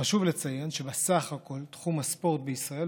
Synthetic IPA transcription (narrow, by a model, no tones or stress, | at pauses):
aʃuvlet͡sajenʃebesaχhakʰo̞lt̪χumhaspo̞ʁt̪̚beisʁae̞l